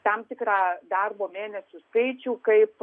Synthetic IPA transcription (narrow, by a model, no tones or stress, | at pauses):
t̪ɐmt̪ʲɪkɾɑːd̪ɐrboːmʲeːnʲɛsʲuːskɐɪt͡ʃʲuːkɐɪp